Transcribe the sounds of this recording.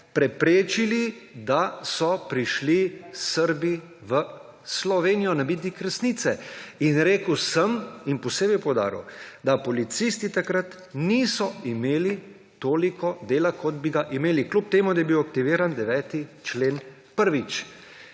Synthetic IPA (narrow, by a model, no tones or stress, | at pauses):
pɾɛpɾeːt͡ʃilid̪asɔpɾiʃlisəɾbi | ʋə | slɔʋeːnijɔnabiːt̪nikɾɛsnit̪sɛinɾeːkəwsəminpɔseːbipɔwd̪a̰ːɾḭwd̪apɔlit̪sist̪it̪akɾat̪ | niːsɔimeːli | t̪oːlikʰɔd̪eːlakʰɔd̪biɡaʔimeːliklup̚t̪eːmud̪ajɛbiwak̚t̪iʋiːɾand̪ɛʋɛːt̪it͡ʃleːn | pəɾʋit͡ʃ